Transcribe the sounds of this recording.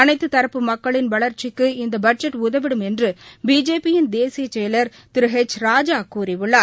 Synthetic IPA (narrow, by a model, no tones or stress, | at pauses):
ɐnɐɪt̪ːɯt̪ɐɾɐpːɯmɐkːɐɭɪnʋɐɭɐɾt͡ʃɪkːɯɪnd̪ɐbɐʈ̚d͡ʒɐʈːʊðɐʋɪɽɯmɛndrɯbiːd͡ʒeːpːɪjɪnd̪eːsɪjɐt͡ʃːɛjɐlɐɾ | t̪ɪɾɯɦɛt͡ʃɾaːd͡ʒaːkːuːɾiʋɯɭːaː